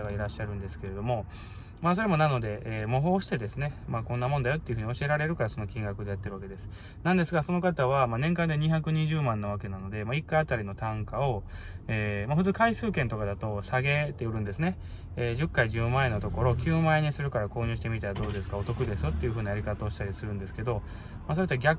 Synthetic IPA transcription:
aɡaiɾaɕːaɾɯ̟̃nd̪e̞sɨ̥ke̞ɾe̞d̪o̞mo̞ | maːso̞ɾe̞mo̞nano̞d̪e̞moɦo̞ːɕi̥t̪e̞d̪e̞sɨne̞makõ̞nːamõ̞nd̪ajo̞t̪ːeiɯ̟ɸɯ̟ɲio̞ɕie̞ɾaɾe̞ɾɯ̟kaɾaso̞no̞kʲĩŋɡakɯ̟d̪e̞jat̪ːeɾɯβake̞d̪e̞sɨ̥ | nãnd̪e̞sɨɡaso̞no̞kat̪aβ̞amaːnẽŋkãnd̪eɲ̟içakɯ̟ɲ̟iʑɨːmãnːaβake̞nano̞d̪e̞maikːaat̪aɾʲino̞t̪ãŋkao̞ | eːmaɸɯ̟t͡sɨːkaisɨːkẽ̞nt̪o̞kad̪at̪o̞saɡe̞t̪ːe̞ɯ̟ɾɯ̟̃nd̪e̞sɨne̞ | ʑɨkːaiʑɨːmaeno̞t̪o̞ko̞ɾo̞kʲɨːmaeɲ̟isɨɾɯ̟kaɾako̞ːɲʲɨ̟ːɕi̥t̪emʲit̪aɾad̪o̞ːd̪e̞sɨ̥kao̞t̪o̞kɯ̟d̪e̞sɨt̪ːejɯ̟ɦɯ̟ːnajaɾʲikat̪aoɕi̥t̪aɾʲisɨɾɯ̟̃nd̪e̞sɨ̥ke̞d̪o̞ | maːso̞et̪ːɡʲak

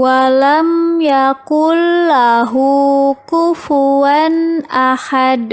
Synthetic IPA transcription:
walamjakʊlːaɦukufuanʔahad

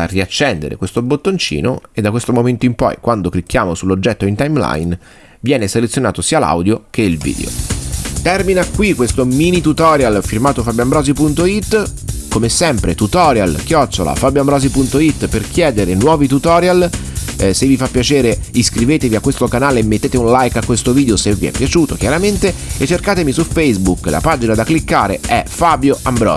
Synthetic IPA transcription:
a̰riat͡ʃːɛnd̪ḛɾḛkwest̪obot̪ːont͡ʃḭːno̰ed̪ːakwest̪omoment̪oimpɔ̰jkwand̪oklikːjaːmosulːod͡ʒːɛt̪ːoint̪ajmla̰jn | vjɛːneselet̪sːjona̰ːt̪osiːala̰wd̪jokʰeilvḭːd̪ḛo̰t̪ɛrminakːwikːwest̪omiːnit̪ut̪ɔːɾjalfirmaːt̪ofabjambɾɔːzipunt̪oit̪ːkomesɛmpɾet̪ut̪ɔːɾja̰lk̟jɔt͡ʃːola̰fabjoambɾɔːzipunt̪oit̪ːperkjɛːd̪eɾenwɔːvit̪ut̪ɔːɾjal | sevːifapːjat͡ʃeːɾeiskɾiveːt̪eviakːwest̪okanaːleemːet̪ːeːt̪eũnlajkakːwest̪oviːd̪eoseviɛ̰pːjat͡ʃuːt̪okjaɾament̪eet͡ʃːerkaːt̪emisufejzbukla̰paːd͡ʒinad̪aklikːaːɾḛɛfabjoʔambɾɔ̰ː

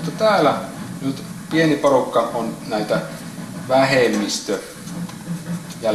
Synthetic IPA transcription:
t̪ːɑt̪æːlænyt̪ | pieniporukːɑonnæit̪æ | ʋæhemːist̪ø | jɑ

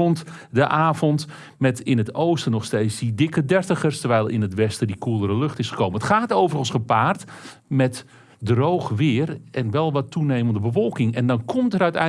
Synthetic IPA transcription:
ontdəʔaːvɔnt | mɛtɪnətowstənɔχsteːt͡ssdidɪkədɛrtəχərstərʋɛjlˠɪ̰nətʋɛstədikulˠəɾəlɵxtɪsχə̥koːwmənətχaːtoːwvərəən̩ˠsχəpaːrt | mɛt | drowxʋɪərɛnʋɛlˠʋɔtunejməndəbəfɔlˠkɪŋɛndɔnkʰɔmtərœɥtɛ̰

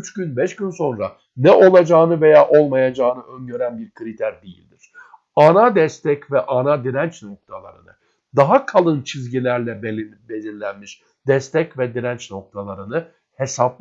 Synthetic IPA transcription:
yt͡ʃɟynbɛʃɟynso̞nɾa̰ | nɛʔo̞lˠad͡ʒaːnɯve̞jaːʔo̞lˠmajad͡ʒaːnɯʔønɟø̞ɾænbiɾkʰɯɾit̪ʰæɾd̪ijḭlʲd̪iɾ̥ | anad̪ɛst̪ʰɛcvɛʔanad̪iɾænt͡ʃno̞k̚t̪ʰalˠa̰ɾɯ̰nɯ̰ | d̪aɦakʰalˠɯnt͡ʃʰizɟilʲæɾlʲɛbbed̪inlʲænmiʃ | d̪̥ɛst̪ʰɛcvɛd̪iɾænt͡ʃno̞k̚t̪ʰalˠaɾɯnɯ | he̞sapˠ

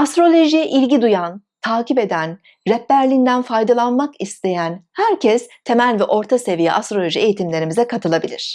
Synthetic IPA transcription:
ast̪ɾo̞lʲˠo̞ʒijɛʔilʲɟid̪ujant̪ʰaːcipe̞d̪æn | ɾɛpːæɾlʲind̪ænfajd̪alˠanmakist̪ʰe̞jænhæɾcʰɛst̪ʰe̞mælʲvɛʔo̞ɾt̪ʰase̞vijɛ̰ʔast̪ɾolʲo̞ʒie̞jit̪imlʲe̞ɾimizɛkʰat̪ʰɯlˠabilʲiɾ̝̥

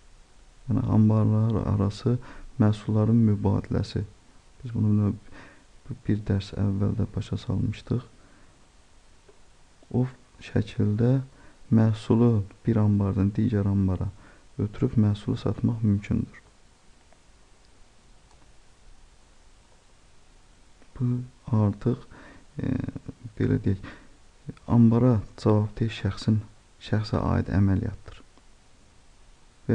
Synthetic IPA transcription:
jænḭɑ̰mbɑɾlˠɑɾ̰ɑ̰ɾɑsɯmæsulˠːɑɾɯnmybɑ̰ːd̪ilæ̰sib̥izbunud̪ɑ | b̥iɾd̪æɾsæ̰vːæld̪æbɑʃɑsɑ̰lˠmɯʃt̪ɯχ | o | ʃæcʰild̪æmæːsulˠub̥iɾɑmbɑɾd̪ɑnd̪iːɟæɾɑmbɑɾɑøt̪ʰyɾypmæːsulˠusɑ̰t̪mɑχmymcʰynd̪yɾ̥ | b̥uɑɾt̪ʰɯχ | b̥e̞̰læ̰d̪ejæc | ɑmbɑɾɑd͡ʒɑvɑbt̪ʰiʃæxsin | ʃæxsæ̰ʔɑ̰ːḭd̪æ̰mælijɑ̰t̪d̪ɯ̥ɾ | væ

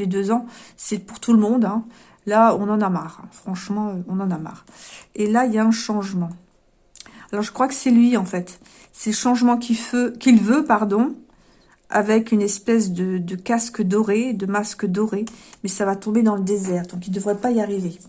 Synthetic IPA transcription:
led̪øzɑ̃sɛpuʁt̪ʰuləmɔ̃d̪ɛ̃ | laɔ̃nɑ̃namaʁɛ̃fχɑ̃ʃmɑ̃øɔ̃nɑ̃nama̰ːʁ | elailjaɛ̃ʃɑ̃ʒmɑ̃ | alɔʁʒəkχwakə̥sɛlɥiɑ̃fɛt̪ | sɛləʃɑ̃ʒmɑ̃kʰʲiføkʲilvøpaʁd̪ɔ̃ | a̰vɛkynɛspɛs̬d̪əd̪əkaskəd̪ɔʁed̪əmaskəd̪ɔʁemɛsavat̪ɔ̃bed̪ɑ̃ləd̪ezɛʁd̪ɔ̃k̬ild̪əvʁɛpaijaʁive

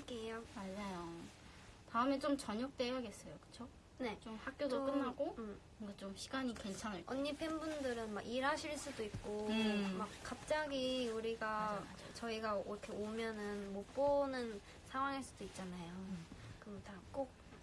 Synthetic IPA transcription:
k͈eamaɭd͡ʑajo | taɯmet͡ɕ͈omt͡ɕʌɲʌk̚t͈ejaɡe̞s͈ʌjokɯ̥t͡ɕʰo | ne̞t͡ɕomhak̚k͈jodoɯmɦaɡokɯɡat͡ɕ͈omɕʰi̥ɡaɲike̞nt͡ɕʰaŋɯɭʌnːipʰenbundɯɾɯnmaɡiɾɦaɕʰiɭs͈udoik̚k͈omakk͈ap̚t͡ɕ͈aɡiuɾiɡa | t͡ɕʌiɡaiɾʌkʰeomjʌnɯnmop͈onɯn | sʰaŋwaŋɦaɭs͈ud̥oit̚t͡ɕ͈anajokɯʌtak͈ok̚

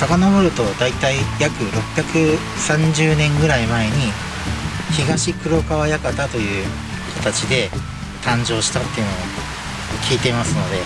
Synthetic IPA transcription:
sakanaboɾɯ̟t̪o̞d̪ait̪aijakɯ̟ɾo̞pːʲjakɯ̟ | sãɲd͡ʑɨːnẽ̞ŋɡɯ̟ɾaimae̞ɲ̟i | çiɡaɕikɯ̟ɾo̞kaβajakat̪at̪o̞jɯ̟ː | kʰat̪at͡ɕid̪e̞ | t̪ãɲ̟d͡ʑo̞ːɕi̥t̪at̪ːe̞iɯ̟no̞o | kʲʰiːt̪e̞masɨno̞d̪e̞

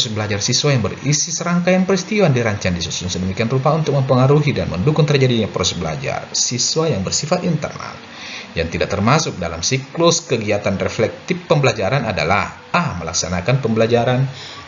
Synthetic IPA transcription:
psɛsbəlad͡ʒarsiswajaŋbərisisəɾaŋkajaŋpəɾist̪iwandiɾaɲt͡ʃandisusʊŋsədəmikianrupaunt̪ʊk̚məmpəŋaɾuɦidanməndukʊŋt̪ərd͡ʒadiɲapɾɔsɛsbəla̰d͡ʒa̰rsiswajaŋbərsifat̪int̪ə̰rna̰l | jaŋt̪idaʔ̚t̪ərmasʊk̚dala̰msiklʊskəɡiat̪anreflɛk̚t̪ɪpːəmbəlad͡ʒaɾanada̰la̰h | ahməla̰ksanakanpəmbəlad͡ʒaɾan

